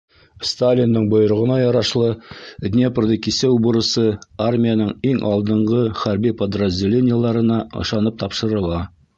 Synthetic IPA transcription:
st̪alʲind̪ɤɴbŏj̆ɾŏʁɤ̆nɑjɒɾɑʃlˠɤd̪ʲnʲeprd̪əkisæwbŭɾɤ̆sɤarmʲɪjanɤɴiŋʔɑlˠd̪ɤ̆ɴʁɤχæɾbipod̪rəzʲdʲɪlʲenʲɪjalˠɑɾɤ̆nɑɤ̰̆ʃɑnɤp̚t̪ʰɑpʃɤ̆ɾɤ̆lˠɑ

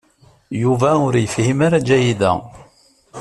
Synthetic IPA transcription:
juvæʊɾjəfhimaɾad͡ʒæjiðæ̰

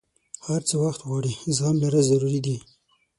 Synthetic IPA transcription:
haɾt͡səwaxt̪ɣwɑɽizɣamlaɾazaɾuɾid̪i

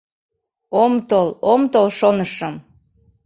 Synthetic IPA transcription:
omt̪olomt̪olʃonəʃəm

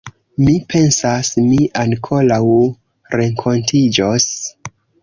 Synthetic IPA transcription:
mipʰe̞nsasmiʔankʰo̞law | ɾe̞ŋkʰo̞ntʰid͡ʒos

